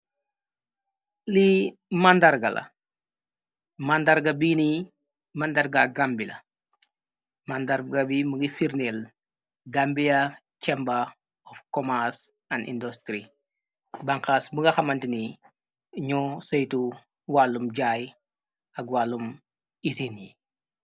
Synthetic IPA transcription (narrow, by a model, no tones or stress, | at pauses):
li | mandaɾɡɐlʔɐ̰ | mandaɾɡɐbini | mandarɡaɡambilɐ̰ | mandaɾɡɐbimuɡifiɾnel | ɡambija | cɛmba | ɔfkɔmas | ɐnḭndostɾi | baŋkasbuŋɡɐxɐmɐntini | ɲɔsejtu | walːumɟaj | ɐɡwalːum | isinjḭ